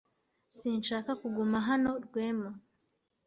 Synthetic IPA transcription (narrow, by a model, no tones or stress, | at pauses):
siːnʃaːkakuɡumaɦano̞ɾɡweːma